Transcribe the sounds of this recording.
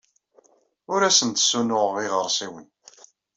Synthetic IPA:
ʊɾæsənt̪sunʊʁʁiʁəɾˤsiwin

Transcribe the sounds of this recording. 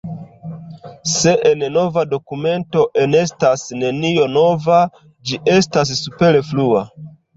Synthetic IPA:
se̞ʔenno̞vado̞kume̞nto̞ʔe̞ne̞stasne̞nio̞no̞va | d͡ʒiʔe̞stas̬ːupe̞ɾeflua

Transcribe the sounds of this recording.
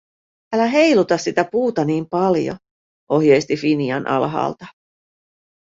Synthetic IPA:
ælæɦe̞jlut̪ɑssit̪æpuːt̪ɑniːmpɑljo̰ | ʔo̞hjejst̪ifinjɑnʔɑ̰lɦɑ̰ːlt̪ɑ

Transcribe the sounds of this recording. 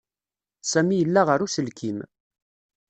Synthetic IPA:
sæmijəlːaʁəɾusəlkʰim

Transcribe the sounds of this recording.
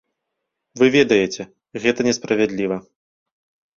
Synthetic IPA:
vɨvʲɛd̪ɐjɛt͡sʲɛ | ɣɛt̪ɐnʲɛspɾɐvʲɛd̪lʲivɐ

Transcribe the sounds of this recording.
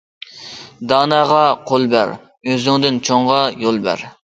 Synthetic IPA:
d̪ɑːnɑːʁɑqʰolˠbæ̰ɾ | øzɪŋd̪ɪnt͡ʃʰoɴʁɑjolˠbæ̰ɾ

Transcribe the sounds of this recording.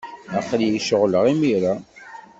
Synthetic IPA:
æχljiʃəʁləʁimiɾa

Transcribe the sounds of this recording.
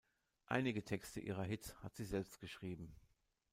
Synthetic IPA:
ʔa̰ɪnɪɡətʰɛkstəʔḭːʁɐɦɪtshatz̥iːzɛlpst̚ɡ̥əʃʁ̥iːbm̩

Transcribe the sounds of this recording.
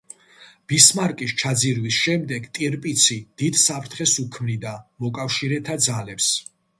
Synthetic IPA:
b̥ismaɾkʼist͡ʃʰad̪ziɾwisʃɛmd̪ɛɡt̪ʼiɾpʼit̪sʰid̪̥id̪̥sapʰɾt̪ʰχɛsukʰmnid̪amɔkʼafʃiɾɛt̪ʰad̪zalɛps

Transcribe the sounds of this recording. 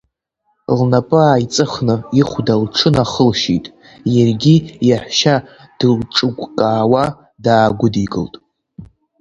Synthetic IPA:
lnapʼɨaːit͡sʼɨχnɨiχʷdalʈ͡ʂʰɨnaχəlʃḭtʼ | jarɡʲijaħʷʃa | d̥ɨlʈ͡ʂʼɨɡʷʼkʼaːwa | daːɡʷʊdikʼɨ̰ltʼ

